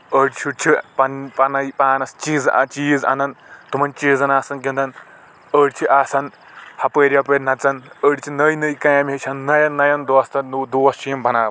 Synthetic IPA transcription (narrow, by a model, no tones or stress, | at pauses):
əːɽt͡ʃʰut͡ʃʰipɐnpɐnɐjpaːnɐst͡ʃiːzɐ̰t͡ʃiːzɐ̰nɐnt̪umɐnt͡ʃiːzɐnaːsɐnkind̪ɐn | əːɽt͡ʃʰiʔaːsɐn | hɐpəːɾʲjapəɾʲnɐt͡sɐnəːɽʲt͡ʃʰinɐjnɐjkɐjɐmʲet͡ʃʰʲɐnːɐjɐnːɐjɐnd̪oːst̪ɐnud̪uːɐst͡ʃʰiimbʱɐnaːʋ